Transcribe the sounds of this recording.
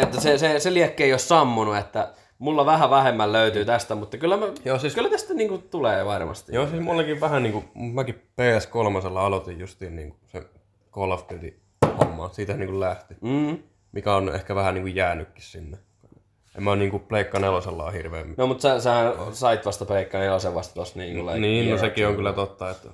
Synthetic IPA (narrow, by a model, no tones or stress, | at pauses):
et̪ːæseseseliækːeiossɑmːunuet̪ːæ | mulːɑʋæhæʋæhemːælløyt̪yːt̪æst̪æmut̪ːɑkylːæmæjoːsiskylːæt̪æst̪ːæniːŋkut̪uleːʋɑrmɑ̰st̪ḭjoːsiːsmulːɑkiʋʋæhæniːŋkumut̪mækippeːæskolmɑselːɑɑlot̪ijjust̪iːnnḭːŋku̥sḛ | kolʋpyt̪ḭ | ho̰mːɑ̰ːsiːt̪hænniːŋkullæht̪iː | mikæonʔḛhkæʋæhæniːŋkujjæːnykːi̥ssinːe | ḛmæniːŋkupleikːɑneloselːɑ̰ːhirʋḛːmnomut̪sæsehænsɑit̪ʋɑst̪ɑpeikːɑneolseʋʋɑst̪ɑt̪ost̪niːŋkuleniːnnosekioŋkylːæt̪ot̪ːɑet̪ː